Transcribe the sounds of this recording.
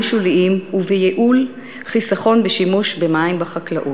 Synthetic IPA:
ʃuliʔimuvejeʔul | χisaχo̞nbeʃimuʃbemaimbaχaklaʔu

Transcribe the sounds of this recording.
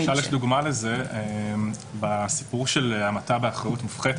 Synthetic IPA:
ʃaljeʃd̪uɡmalezeem | basi̥puʁʃeleamat̪abeaχʁajutmufχet̪

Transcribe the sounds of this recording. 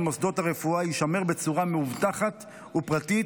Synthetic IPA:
mosd̪o̞thaʁe̞fuaiʃame̞ʁbet͡suʁameuvt̪aχat̪ | upʁati

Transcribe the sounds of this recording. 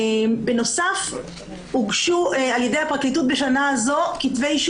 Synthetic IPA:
be̞no̞saf | huɡʃualjed̪ejhapaʁklit̬ut̪̚be̞ʃanaːzo̞kitve̞jʃ

